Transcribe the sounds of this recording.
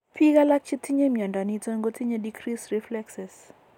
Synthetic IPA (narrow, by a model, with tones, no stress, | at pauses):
pʰi˦ka˦la˦k̚t͡ʃi˦t̪ʰi˦ɲe˦mja˨nda˨ni˦tɔ˦ŋɡo˦t̪ʰi˦ɲe˦dikri˦sriflɛksɛs